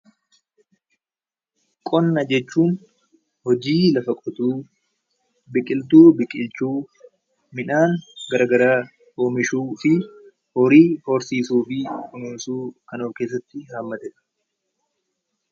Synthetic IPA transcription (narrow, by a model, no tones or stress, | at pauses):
kʼɔnːɐd͡ʒɛt͡ʃːuːn | hɔd͡ʒiːlɐfɐkʼɔt̪uː | bɪkʼɪlt̪uːbɪkʼɪlt͡ʃuː | mɪᶑaːŋɡɐɾɐɡɐɾaː | hoːmɪʃuːfɪ | hɔɾiːfo̞ːɾsiːsuːfɪʊnʊnsuːkɐnoːfke̞ːs̬ːɐt̪ːɪhaːmːɐt̪ɛt̪ɐ̥